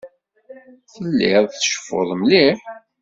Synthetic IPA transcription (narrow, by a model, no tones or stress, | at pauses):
θəlːiðˤθʃə̥fːo̰ðˤmliħ